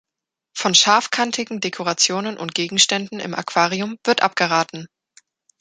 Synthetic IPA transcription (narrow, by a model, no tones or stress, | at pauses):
fɔnʃaɐfkʰantʰɪɡŋ̩dekʰoʁat͡sjoːnənʔʊnt̚ɡ̥eːɡŋ̩ʃtɛndn̩ɪ̰mʔa̰kv̥aːʁiʊmv̥ɪɐtʔap̚ɡ̥əʁaːtn̩